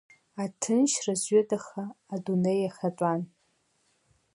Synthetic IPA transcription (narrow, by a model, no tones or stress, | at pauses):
atʰɨnʃrazɥɪdʼaχaːdunejaχat͡sʷʼan